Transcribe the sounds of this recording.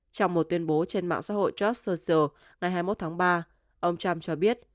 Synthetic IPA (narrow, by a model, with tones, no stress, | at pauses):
t͡ɕɔ˧wŋ͡mmo˨˩t̚t̪wi˧ənɓo˨˦t͡ɕe˧nma̰ː˧˨ŋsa̰ː˧˥ɦo̰˧˨jt͡ɕɔ˦˥səː˧sə˧˩ | ŋa˨˩jɦaː˧jmo˦˥t̚t̪ʰaː˨˦ŋɓaː˧ | ʔə˧wŋ͡mt͡ɕa˧mt͡ɕɔ˧ɓi˦˥ət̚